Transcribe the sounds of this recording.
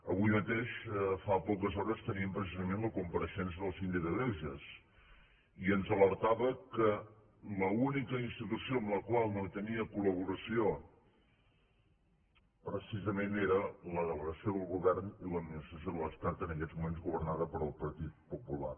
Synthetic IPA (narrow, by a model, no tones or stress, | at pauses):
əβujmət̪eʃfapɔkəzɔɾəst̪əniəmpɾəs̬izəmẽnləkumpəɾəʃɛnsəðəlˠzind̪ikəðɛʒəs | iənzələɾt̪aβəkə | ləunikəinst̪it̪usioəmləkwalˠnot̪əniəkuləβ̞uɾəsio | pɾəsizəmeneɾələðələɣəsioðəlˠɣuβɛrniləd̪minist̪ɾəsjoðələst̪at̪ənəkɛzmumenzɣuβərnaðəpəɾəlˠpəɾt̪it̪̚pupula̰r